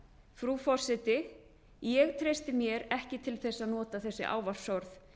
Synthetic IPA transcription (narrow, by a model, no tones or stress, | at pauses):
fɾufɔr̥sɛt̪ɪ | jɛɣt̪ʰɾejst̪ɪmjɛɾɛhcɪt̪ʰɪlθɛsːaðnɔːt̪aθɛsːɪ̰ʔa̰ːwvafsœɾθ